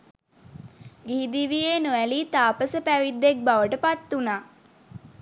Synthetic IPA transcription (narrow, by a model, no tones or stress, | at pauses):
ɡiɦid̪iʋijeːnuʋæliːt̪aːpəsəpæʋid̪ːek̚baʋəʈəpat̪ːunaː